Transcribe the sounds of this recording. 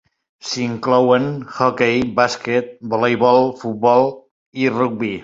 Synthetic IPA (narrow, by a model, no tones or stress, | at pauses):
siŋklɔwənxɔkɛjbasket̪̚bolejβɔlˠfut̪̚bɔlˠ | iruk̚bi